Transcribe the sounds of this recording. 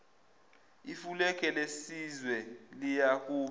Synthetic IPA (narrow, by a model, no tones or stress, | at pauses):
ifulɛk̬ʰʼɛlesizwɛlijak̬ʼuːɓ